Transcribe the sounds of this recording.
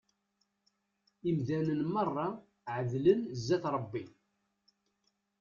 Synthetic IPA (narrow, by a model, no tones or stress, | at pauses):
imðænənmɑrˤːɑ | ʕəðlənzːæθɾˤəbːi